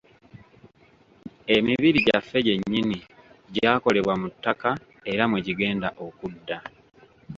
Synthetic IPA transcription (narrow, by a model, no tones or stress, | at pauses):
e̞miβiɾiɟafːe̞ɟe̞ɲːiniɟaːko̞le̞βwamutːaka | e̞ɾamweɟiɡe̞ːndaʔo̞kudːa